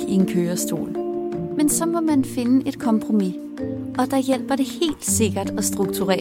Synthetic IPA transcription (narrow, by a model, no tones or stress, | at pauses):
ie̝nkʰøːɐsd̥o̝̰ːlmensɒ̽mɒ̽mænfe̝nəʔe̝d̥kʰɒ̽mpʰʁo̝mi | ɒ̽d̥ɑ̈jel̰b̥ɐɾe̝he̝̰ːld̥se̝ɡ̥ɐd̥ɒ̽sd̥ʁuɡ̥̚t͡sʰuʁɛ̰ː